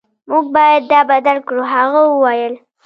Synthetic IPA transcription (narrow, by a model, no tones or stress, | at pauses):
muɡ̚bɑjad̪ːɑbad̪alkɽuɦaɣawəwajəl